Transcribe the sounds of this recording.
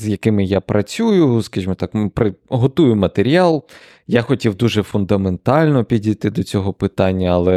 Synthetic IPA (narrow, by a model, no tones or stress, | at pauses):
zjɐkɪmɪjapɾʔɐt͡sʲujʊskɐʒʲimɔt̪ɑkpɾɪɦɔt̪ujʊmɐt̪eɾʲiɑlˠ | jaxɔtʲiwd̪uʒɛfʊnd̪ɐment̪ɑlʲnɔpʲidʲijt̪ɪd̪ɔt͡sʲɔɦɔpɪt̪ɑnʲːɐɐlˠɛ